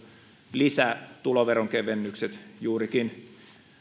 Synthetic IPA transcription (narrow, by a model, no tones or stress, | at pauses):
lisæt̪uloʋeroŋkeʋenːykset̪juːrikin